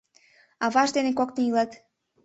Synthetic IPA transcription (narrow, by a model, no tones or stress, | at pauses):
ɑβɑʒd̪enekokneilɑt̪